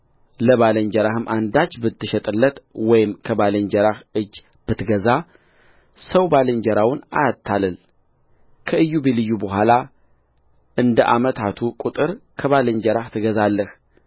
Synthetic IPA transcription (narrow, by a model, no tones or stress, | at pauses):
ləβaləɲd͡ʒəɾahɨmʔand̪at͡ʃːbɨt̪ːɨʃɛt̪ʼɨlːət̪wɔjɪmkʰəbaləɲd͡ʒəɾahɨd͡ʒː | b̥ɨt̪ɡəza | səwbalɨɲd͡ʒəɾawʊna̰jat̪ʰːalɨl | kʰəɨjːubelɨjːubəɦʷala | ʔɨnd̪əʔa̰mət̪ʰat̪ʰukʼut̪ʼɨɾkʰəβaləɲd͡ʒəɾaht̪ʰɨɡəzalːəh